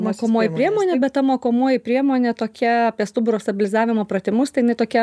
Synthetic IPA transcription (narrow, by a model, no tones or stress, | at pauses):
moːkoːmoːjɪpʲɾʲiɛmoːnʲebʲɛt̪t̪ɐmoːkoːmoːjɪpʲɾʲiɛmoːnʲet̪oːkʲɛɐpʲiɛst̪ʊbʊɾoːst̪ɐbʲɪlʲɪzɑːʋʲɪmoːpɾɐt̪ʲɪmʊst̪ɐɪjɪnɐɪt̪oːkʲɛ